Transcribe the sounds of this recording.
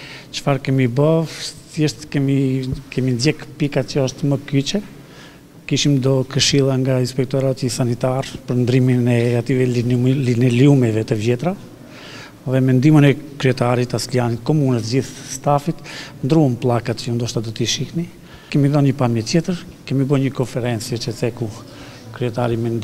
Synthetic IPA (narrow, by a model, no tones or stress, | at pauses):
t͡ʃə̥faɾkɛmibɔvθɛʃt̪kɛmikɛmind̪jɛkpikat͡ʃəɔʃt̪məkyt͡ɕɛ | kiʃimd̪ɔkəʃilˠaŋɡainspɛk̚t̪ɔɾat̪isanit̪aɾpəɾnd̪ɾiminɛat̪ivɛnɛljumɛvɛt̪əvjɛt̪ɾa | ðɛmɛnd̪imənɛkɾiɛt̪aɾit̪aslianit̪kɔmunət̪d͡ʑiθst̪afit̪nd̪ɾuənplˠakat̪əund̪ɔʃt̪ad̪ɔt̪iʃihni | kɛmiðɔnɲəpamjət̪jɛt̪əɾ | kɛmibəɲəkɔnfɛɾɛnt͡sjət͡ʃət͡sɛku | kɾyɛt̪aɾimɛn